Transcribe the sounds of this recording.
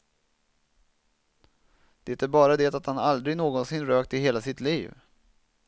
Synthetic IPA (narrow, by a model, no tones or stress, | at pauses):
d̪̥ɛːt̪æɾbɑːɾad̪ɛːt̪at̪hanald̪ɾɪɡnoːɡɔnsɪnɾøːk̚t̪ɪɦeːlasɪt̪liːv